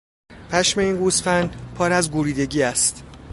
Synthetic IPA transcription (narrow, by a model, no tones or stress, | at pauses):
pʰæʃme̞iːnɡusfænd̪pʰɒːɾæzɡuɾiːd̪e̞ɟiːæst̪